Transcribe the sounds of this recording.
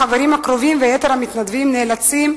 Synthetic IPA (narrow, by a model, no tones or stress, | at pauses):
aveɾimakɾo̞vimvejet̪eɾhamit̪nad̪vimneːlat͡sim